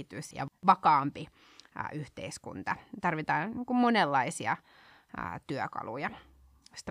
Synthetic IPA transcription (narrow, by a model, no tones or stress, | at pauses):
it̪ysjɑ̰ʋɑkɑːmpi | ʔyht̪ḛiskṵnt̪ɑt̪ɑrʋit̪ɑːnniːŋkummonelːɑisiɑ̰ | t̪yøkɑ̰lṵjɑ | ost̪